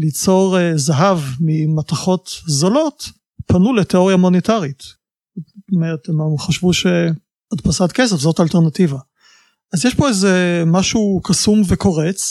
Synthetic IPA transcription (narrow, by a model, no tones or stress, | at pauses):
lit͡so̞ʁzaɦavmimataχo̞tzolot | panuleteo̞ʁijamonetaʁit | tomeʁetemχaʃvuʃe | adpasatkesefzo̞talteʁnativa | azjeʃpo̞ezemaʃukasumveko̞ʁet͡s